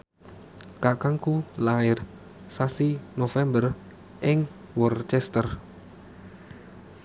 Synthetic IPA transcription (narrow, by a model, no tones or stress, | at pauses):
kakaŋkulaɪr | sasinofɛmbər | ʔɪŋ | wɔrt͡ʃɛst̪ər